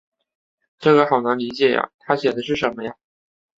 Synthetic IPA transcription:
ʈ͡ʂɤ˥˩ɡə˩xɑ˨˩ʊna˧˥ŋli˧˥t͡ɕjɛ˨˩ja̰˨˩t̪ʰa˥ɕɥɛ˨˩d̪ə˦ʂ̬ɻ̩˥˩ʂə˧˥nmə˧ja˧˩

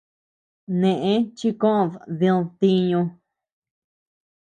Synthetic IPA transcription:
nẽ˧˨ʔẽ˦t͡ʃi˦kõ˦ʔððĩ˧t̪i˧ɲũ˧

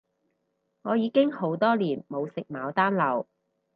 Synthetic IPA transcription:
ŋɔː˨˧jiː˨˧kɪ˥ŋho˨˥wt̪ɔː˥liː˨˩nmo˨˧wsɪ˨k̚maː˨˧wt̪aː˥nlɐ˨˧w

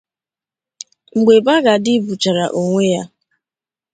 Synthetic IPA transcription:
ŋ͡m̩˨ɡ͡be˨ba˦ɡa˨dɪ˦bu˨t͡ʃa˨ɾa˨ʔo˨ŋʷe˦ja˦

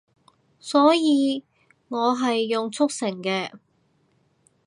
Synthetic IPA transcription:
sɔː˨˥jiː˨˧ | ŋɔː˨˧ɦɐ˨jːʊ˨ŋt͡sʰʊ˥k̚sɪ˨˩ŋkɛː˧

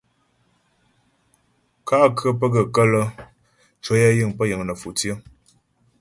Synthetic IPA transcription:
ka˦ʔkə˦p̬ə˦ɡə˨kə˦lə˦ | t͡ʃo˦ja˦jɨ˦˨ŋpə˦jə˨ŋnə˨fu˨t͡sjə˦

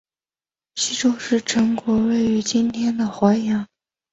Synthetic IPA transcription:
ɕi˥ʈ͡ʂo˥ʊʂɻ̩˥˩ʈ͡ʂʰɤ˧˥ŋkwɔ˧˥we˥˩ɪy˧˥t͡ɕi˥nt̪ʰjɛ˥nd̪ə˨xwa˧˥ɪjɑ˧˥ŋ

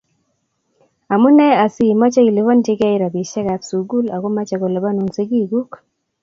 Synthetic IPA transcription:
a˨mu˦nɛ˦a˨si˨mɔ˦t͡ʃɛ˦i˨li˨vɔ˦nti˦kɛ˦ɪ˦ɾa˨bi˨ʃɛ˦ka˨psu˨ɡu˦la˨ko˦ma˦t͡ʃa˨kɔ˨lɛ˨ba˦nu˨nsi˦ɡi˦˨ɡu˦k

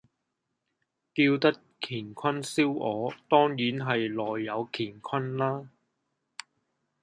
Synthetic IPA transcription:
kiː˧wt̪ɐ˥t̚ | kʰiː˨˩nkʷʰɐ˥nsiː˥wɔː˨˧t̪ɔː˥ŋjiː˨˥nɦɐ˨jlɔː˨jːɐ˨˧wkʰiː˨˩nkʰɐ˥nlaː˥

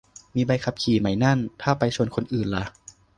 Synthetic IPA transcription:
miː˧ba˧jkʰa˧˥p̚kʰiː˨˩ma˨˩jna˥˩nt̪ʰaː˥˩pa˧jt͡ɕʰu˧ənkʰo˧nʔɯː˨˩nla˨˦

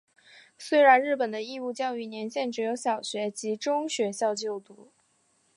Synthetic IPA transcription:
swe˥ɪɻa˧˥nɻɻ̩˥˩pə˨˩nd̪ə˦i˥˧u˥˧t͡ɕjɑ˥˧ʊy˥˩njɛ˧˥nɕjɛ˥˩nʈ͡ʂɻ̩˧˥jo˧˥ʊɕjɑ˨˩ʊɕɥɛ˧˥t͡ɕi˧˥ʈ͡ʂʊ˥ŋɕɥɛ˧˥ɕjɑ˥˧ʊt͡ɕjo˥˩ʊt̪u˧˥

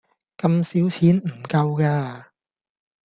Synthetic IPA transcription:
kɐ˧msiː˨˥wt͡sʰiː˨˥nm̩˨˩kɐ˧wkaː˧

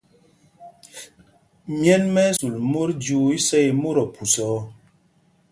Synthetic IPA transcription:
mjɛ˦nmɛ˦su˨lmo˦ɾdu˦i˦sɛ˦i˨mo˦ɾɔ˨pʰu˨sɔ˨˦

